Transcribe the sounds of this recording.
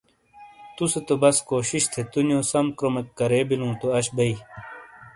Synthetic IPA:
t̪uset̪obɐskoːɕiɕt̪ʰet̪unjõːsɐmkɾomekːɐɾeːbilũːt̪oɐɕbɐi

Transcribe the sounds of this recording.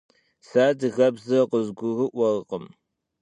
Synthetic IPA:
saːdɨɣɐbzɐqʷəzɡʷʊɣɨʔʷɐrqəm

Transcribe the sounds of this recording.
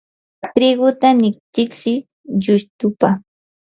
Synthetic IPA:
t̪ɾɪɢʊt̪anɪk̚t̪ɪksɪ | ʎʊst̪ʊpa

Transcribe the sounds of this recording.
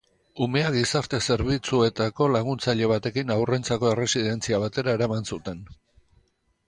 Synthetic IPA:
ume̞aɡisaɾt̪e̞se̞ɾβit͡sue̞t̪ako̞laɣ̞unt͡saʎe̞β̞at̪e̞kinawre̞nt͡sako̞e̞re̞sið̞e̞nt͡siaβ̞at̪e̞ɾae̞ɾamansut̪e̞n

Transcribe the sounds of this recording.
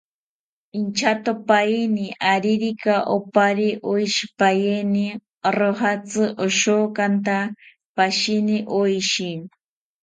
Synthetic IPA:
int͡ʃat̪opajiniʔaɾiɾikaʔopaɾiʔojʃi̥pajeni | ɾoɦat͡sɨʔoʃokant̪a | paʃiniʔojʃin

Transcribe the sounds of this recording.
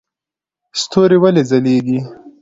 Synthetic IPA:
st̪oːɾiwalezɐleːɡi

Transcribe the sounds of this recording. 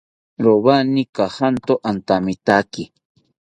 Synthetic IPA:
ɾoβanikahant̪oʔant̪amit̪aki

